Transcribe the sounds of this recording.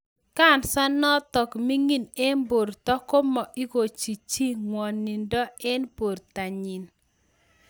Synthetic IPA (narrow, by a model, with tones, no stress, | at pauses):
ka˦˨nsa˦nɔ˦tɔ˨kmi˦ŋi˦ne˦nbo˨ɾtɔ˦ko˦mɔ˨ʔi˦ko˨t͡ʃi˨t͡ʃi˦ŋwɔ˨nːi˨ndɔ˦ɛ˦npo˨ɾta˨ɲi˨n